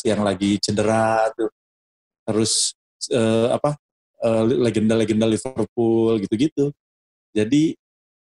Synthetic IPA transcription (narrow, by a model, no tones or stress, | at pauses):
jaŋlaɡit͡ʃəndəɾat̪ʊ | t̪əɾʊs | əːa̰pa | əːlleɡəndaleɡəndalifərp̚ʊlɡit̪uɡit̪u | d͡ʒadi